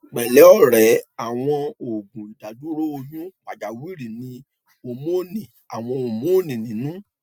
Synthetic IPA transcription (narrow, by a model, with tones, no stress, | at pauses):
k͡pɛ˨lɛ˨˦ɔ˦ɾɛ˨˦a˨w̃ɔ̃˧o˨ɡũ˨ta˨du˦ɾo˦o˧nũ˦k͡pa˨d͡ʒa˨wi˦ɾi˨nĩ˧ | o˧mo˦nĩ˨ | a˨w̃ɔ̃˧o˧˨mo˦˨nĩ˨nĩ˨˦nũ˦